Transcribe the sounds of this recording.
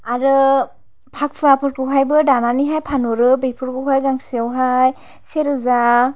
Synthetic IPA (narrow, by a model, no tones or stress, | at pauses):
aɾɯ | pʰak̚pʰɯapʰɯɾkɯwɦajbɯdananiɦajpʰanoɾɯbepʰɯɾkɯwɦajɡaŋsiawɦaj | seɾɯza